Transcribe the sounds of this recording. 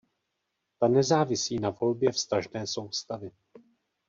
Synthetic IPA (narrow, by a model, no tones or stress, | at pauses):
t̪anɛzaːvɪsiːnavo̞lbjɛfst̪aʒnɛːso̞wst̪avɪ